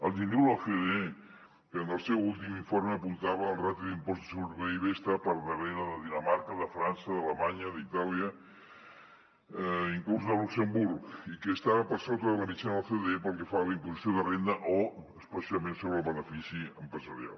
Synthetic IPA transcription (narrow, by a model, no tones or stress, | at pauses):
əlˠʒinewləfeðe | kəənəlˠsɛwulˠt̪imiɱfoɾməːpunt̪aβəːlˠrat̪iðimpɔzt̪əsuɾβejβest̪əpəɾðərenəðəðinəmaɾkəðəfɾansəðələmaɲəðit̪aliə | iŋkluzðəluksəmbuɾkikəːst̪aβəpəɾsot̪əðələmit͡ʃanofeðepəlˠkəfaβəimpuzisioðərend̪əʔoəspəsiəmensoβɾəlˠβənəfisiəmpɾəzəɾja̰lˠ